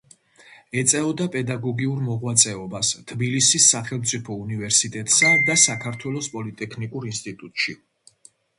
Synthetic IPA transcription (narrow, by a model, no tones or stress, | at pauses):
ɛt̪sʼɛɔd̪apʼɛd̪aɡɔɡiuɾmɔʁwat̪sʼɛɔbast̪ʰbilisisːaχɛlˠmt̪sʼipʰɔunivɛɾsit̪ʼɛt̪ʼsad̪asakʰaɾt̪ʰwɛlˠɔspʼɔlit̪ʼɛkʰnikʼuɾinst̪ʼit̪ʼut̪ʼʃi